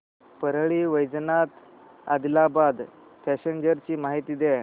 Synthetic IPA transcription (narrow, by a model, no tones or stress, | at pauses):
pəɾɭiːʋəjd͡znat̪ | a̰d̪labad̪ | pʰɛɕeɲd͡ʑəɾt͡ɕiːmaɦit̪iːd̪ɛ